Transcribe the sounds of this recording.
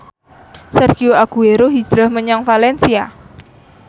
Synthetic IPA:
sɛrɡioaɡ̥ueɾoɦi̥d͡ʒ̥ɾahməɲaŋfalɛnsia

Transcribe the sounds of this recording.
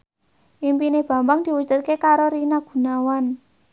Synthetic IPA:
ʔimpineb̥a̤mbaŋd̪̥i̤wud̥d͡ʒ̥ṳt̪̚kekaɾoɾinaɡ̥ṳnawan

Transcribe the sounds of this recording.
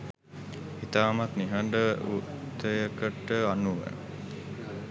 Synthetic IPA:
it̪aːmat̪niɦɐɳɖəut̪ːəjəkəʈːəanːuʋə̰

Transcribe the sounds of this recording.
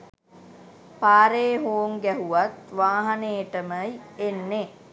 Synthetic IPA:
paːɾeːɦoːŋɡæɦuʋat̪ʋaːɦaneːʈəməjenːe

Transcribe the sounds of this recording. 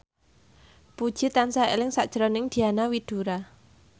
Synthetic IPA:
pud̥ʒ̥i̤t̪ansaḛlɪŋsaʔd̥ʒ̥ɾɔnɪŋd̪̥i̤anawid̪̥ṳɾa

